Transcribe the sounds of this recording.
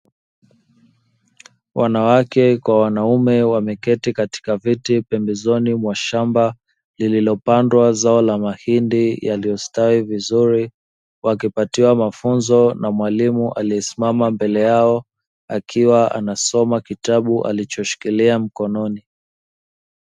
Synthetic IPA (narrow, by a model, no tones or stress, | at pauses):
wʔanawakɛkwawanaumɛwamɛkɛtikati̥kavitipɛmbɛzɔnimwaʃamba | lililɔpandwazaɔlamahindijalijɔstawivizuɾi | wakipatiwamafunzɔnamwalimuʔaliɛsi̥mamambɛlɛjaɔ | akʰiwaa̰nasɔmakitaɓuʔa̰lit͡ʃɔʃi̥kiliam̩kɔnɔni